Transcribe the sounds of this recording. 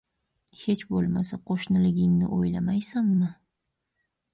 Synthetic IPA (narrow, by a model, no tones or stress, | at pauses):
he̞t͡ʃbolˠmasaqʰoʃnɪlɪɡʲɪŋnɪ̰ʔojlamajsamːɪ